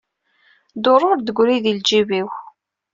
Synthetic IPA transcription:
d̪oɾˤoɾd̪əɡʷɾiðild͡ʒiviw

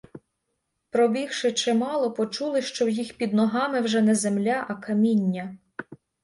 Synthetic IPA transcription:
pɾɔbʲiwʃɪt͡ʃɪmɑlˠɔpɔt͡ʃulˠɪʃt͡ʃɔwjixpʲid̪nɔɦɑmɪwʒɛnɛzemlʲaʔɐkɐmʲinʲːɐ

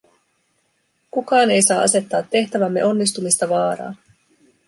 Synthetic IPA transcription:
kukɑːne̞jsɑːʔɑ̰se̞t̪ːɑːt̪ːe̞ht̪æʋæmːe̞ʔo̞nːis̬t̪umist̪ɑʋɑːɾɑ̰ː

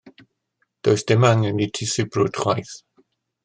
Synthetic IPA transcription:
d̥ojsd̥ɪmaŋənitʰɪsɨbrud̥χwajθ

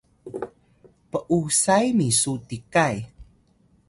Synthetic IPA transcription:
pəʔusajmisutikaj

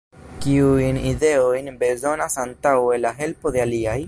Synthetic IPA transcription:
kiujnide̞o̞jnbe̞zo̞nasantawe̞laɦe̞lpo̞de̞aliaj

